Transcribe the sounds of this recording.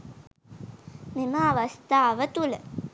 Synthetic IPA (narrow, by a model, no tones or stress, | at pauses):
miməːʋɐst̪aːʋət̪ulə